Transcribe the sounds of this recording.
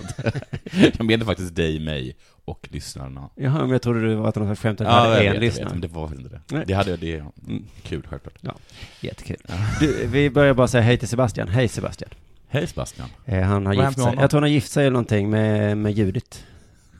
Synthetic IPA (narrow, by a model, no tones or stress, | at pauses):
kabeːd̪əfak̚t̪ɪst̪̚d̪ɛjmɛ̰j | ɔklʏsna̰ɾənajɑɦœmɛmjɑt̪ʰɾʊd̪ːəd̪ɛvaɾat̪hnɔsaksɧɛmt̪ɔaəɛnlʏsna̰ɾmɛd̪ɛaɾfak̪t̪ɪsɪt̪əd̪ɛnɛd̪ɛhad̪ːəjad̪ɛ | kʰʉːlɧɛ̰lklɑ̰ːʈɑ̰jɛ̰t̪ːə̥kʰʉ̰ːld̪ʉvɪbœɾjabɑːɾasɛjːaɦɛjt̪ʰɪlsɛbast̪ɪa̰nɦɛjsɛba̰st̪ɪa̰n | hɛjsɛba̰st̪ɪa̰nɦanhaɾɪɛjɑ̰ːt̪ʰuːhanajɪft̪sɛjɛlnɔnt̪ɪŋːmɛmɛjʉ̟ːd̪ɪt̪